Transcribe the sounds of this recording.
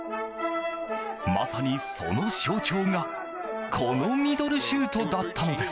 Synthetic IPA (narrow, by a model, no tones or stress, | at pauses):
ma̰saɲ̟iso̞̰no̞ɕoːt͡ɕo̞ːŋa | kʰo̞no̞mʲid̪o̞ɾɯ̟ɕɨːt̪o̞d̪at̪ːano̞d̪e̞s